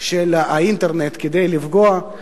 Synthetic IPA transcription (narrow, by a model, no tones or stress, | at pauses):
ʃelaint̪eʁnet̪ked̪ejlivɡoa